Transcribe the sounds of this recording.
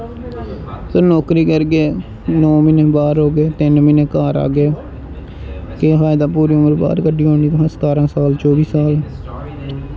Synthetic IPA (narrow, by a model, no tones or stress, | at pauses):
sənɔːkɾiːkəɾɡeː | nɔːmɪneːbaːɾɦoːɡeːt̪ɪnmɪnẽːkaːɾa̰ːɡeː | kefaːjd̪aːpuːɾiːʊməɾba̰ːɾkəɖiːɦoːɳiːt̪ɦãsə̥t̪aːɾãːsaːlt͡ʃɔːʋiːsaːl